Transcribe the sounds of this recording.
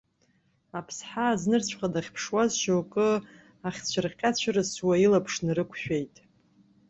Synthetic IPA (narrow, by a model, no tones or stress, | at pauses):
apʰsħaːznɨrt͡ɕʷʰχadaχʲpʰʂwazʃowkʼɨ | aχʲt͡ɕʷʰarqʲʼat͡ɕʷʰarɨswailapʰʂnɨrɨkʷʰʃᶣejtʼ